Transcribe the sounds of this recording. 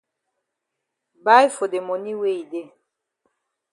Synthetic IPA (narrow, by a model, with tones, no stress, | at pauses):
ba˦jfo˨de˨mɔ˨ni˦we˦˨i˨de˦